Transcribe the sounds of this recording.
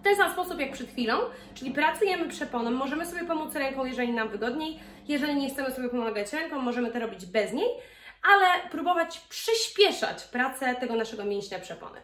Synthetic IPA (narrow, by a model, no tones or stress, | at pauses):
ft̪ɛnsamspɔsupjak̚pʂɛt̪xfʲilɔ̃w̃ | t͡ʂɘlʲipɾat̪sujɛmɘpʂɛpɔnɛmːɔʐɛmɘsɔbjɛpɔmut̪sɾɛŋkɔ̃w̃jɛʐɛlʲinamvɘɡɔd̪ɲej | jɛʐɛlʲiɲɛxt̪sɛmɘsɔbʲjɛpɔmaɡat͡ɕɾɛŋkɔ̃w̃ːɔʐɛmɘt̪ɔɾɔbʲid͡ʑbɛzɲej | alɛpɾubɔvat͡ɕpʂɘɕpʲjɛʂa̰t͡ɕpɾat̪sɛt̪ɛɡɔnaʂɛɡɔmʲjɛɲɕɲapʂɛpɔ̰nɛ̰